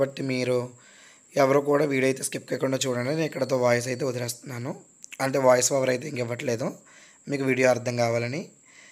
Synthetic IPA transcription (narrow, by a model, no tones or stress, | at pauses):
bɐʈːimiːɾu | ɛʋɐɾukuːɽaːʋiːɽijɐjt̪e̞ːskipkeːkuɳɖaːt͡ʃuːɽaneneːikːɐɽɐt̪o̞ːʋaːjɐs̬ɐjt̪̬e̞ːud̪ɐɾeːst̪unːaːnu | ɐɳʈe̞ːʋaːjɐsʋɛʋɐɾɐjt̪̬e̞ːiŋkɛʋːɐʈleːd̪u | miːkuʋiːɽijoɐɾt̪ʰːɐŋkaːʋaːlɐni